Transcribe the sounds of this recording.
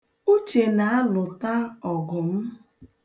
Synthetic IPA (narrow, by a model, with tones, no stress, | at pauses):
u˦t͡ʃe˨na˨a˦lʊ˨ta˦ɔ˨ɡʊ˨m̩˦